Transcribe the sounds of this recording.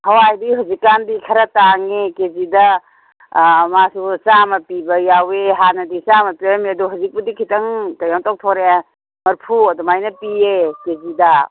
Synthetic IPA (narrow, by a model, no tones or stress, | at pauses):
hɐwajdiɦawzikːandikʰɐɾɐtaŋekezidɐ | masusamɐpibɐjaweɦanɐdisamɐpiamiɐduɦawzik̚budikʰitɐŋtɐjantɔk̚tʰɔɾe | mɐɾpʰuɐdumajnɐpiekezidɐ